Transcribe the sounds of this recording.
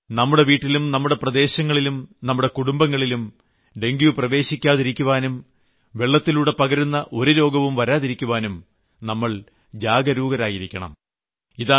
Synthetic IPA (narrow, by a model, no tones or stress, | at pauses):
nɐmːuɽe̞ʋiːʈːilumnɐmːuɽe̞prɐd̪e̞ːɕɐŋːɐɭilumnɐmːuɽe̞kuɽumbɐŋːɐɭilum | ɖe̞ŋɡjuprɐʋe̞ːɕikʲːaːðiɾikʲːuʋaːnum | ʋe̞ɭːɐt̪ːiluːɽe̞pɐɣɐɾunːɐʔo̞ɾuɾo̞ːɡɐʋumʋɐɾaːðiɾikʲːuʋaːnum | nɐmːɐɭ | d͡ʑaːɡɐɾuːɡɐɾaːjiɾikʲːɐɳɐ̰m | iðaː